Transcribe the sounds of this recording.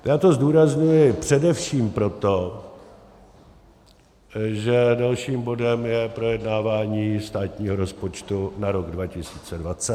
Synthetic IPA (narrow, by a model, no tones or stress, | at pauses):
jaːt̪o̞zduːɾazɲujɪpr̝̥ɛdɛfʃiːmpɾo̞t̪o̞ | ʒɛdalʃiːmbo̞dɛmjɛpɾo̞jɛdnaːvaːɲiːst̪aːt̪ɲiːɦo̞ɾo̞spo̞t͡ʃt̪unaɾo̞ɡdvacɪsiːt͡sɛdvat͡sɛt̪